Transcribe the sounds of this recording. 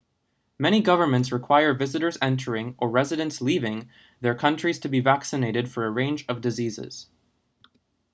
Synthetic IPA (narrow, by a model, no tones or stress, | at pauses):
mɛɾ̃iɡʌvə˞mɨ̃ntsɹɨkʰw̥aɪə˞vɪzɨɾə˞zɛ̃ntʰə˞ɪ̃ŋʔə˞ɹɛzɨɾɨ̃nslivɪ̃ŋ | ðə˞kʰʌ̃nt͡ʃɹ̥iz̥tʰɨbivæksɨneɪɾɨd̥fə˞ɨɹẽɪ̃nd͡ʒʌvdɨzizɪ̰z̥